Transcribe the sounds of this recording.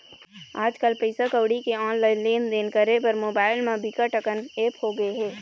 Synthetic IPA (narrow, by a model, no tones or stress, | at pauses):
aːd͡ʒkəlpeɪsakəʋɽikeɔːnlaɪleːnd̪eːnkəɾepɐɾmoːbaːɪlmẽbɪkaʈəkəneːphoɡɐeɦɛː